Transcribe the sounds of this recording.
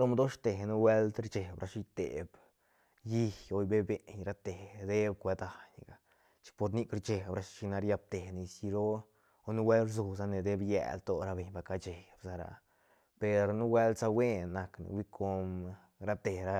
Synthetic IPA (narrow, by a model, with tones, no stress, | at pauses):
lo˦md̪o˦ʃt̪e˨nu˦we˦lt̪ɾt͡ʃe˨bɾa˧ʃi˧˦t̪ḛ˨b | ji˦ho˧jbe˦be˨ɲɾa˦t̪e˨d̪e˦b̚kʷe˧d̪a˨ɲɡa˨ | t͡ʃi̥˧kpo˧ɾni˦kɾt͡ʃe˨bɾa˧ʃʃi˧na˧ɾja˧b̚t̪e˨ni˧si˧ɾo˦ | o˧nu˦we˦lɾzu˧s̬a˧ne˨d̪e˦bjḛ˨lt̪o˦ɾa˧be˨ɲba˧ka˧t͡ʃe˨bsa˧ɾa̰˧ | pe˨ɾnu˦we˦lsa˧we˦nːa˧knḭ˧wi˦kʰo˧m | ɾa˧˦t̪e˨ɾa˧